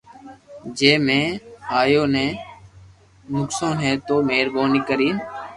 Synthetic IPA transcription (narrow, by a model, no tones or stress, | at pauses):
d͡ʒeːmẽːɦaːjoːnẽː | nʊksõːnɦẽːt̪oːmeːɾboːniːkəɾiːn